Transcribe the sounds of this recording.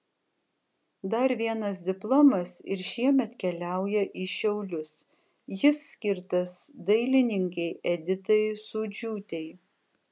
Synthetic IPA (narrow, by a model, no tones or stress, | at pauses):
d̪ɐɾʋʲiɛnɐsd̪ʲɪplˠɔmɐsɪ̰ɾʃʲiɛmʲɛt̪kʲɛlʲæˑʊjɛʔiʃʲɛʊlʲʊs | jɪsːʲkʲɪɾt̪ɐsd̪ɐɪlʲɪnʲɪŋʲkʲɛɪʔɛd̪ʲɪt̪ɐɪsuːd͡ʒʲuːt̪ʲɛɪ